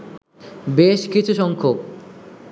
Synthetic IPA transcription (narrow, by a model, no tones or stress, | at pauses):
beʃkit͡ɕʰuʃɔŋkʰok